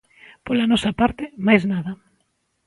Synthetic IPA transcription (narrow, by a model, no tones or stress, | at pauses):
polanɔsapaɾt̪ɪmajznaðɐ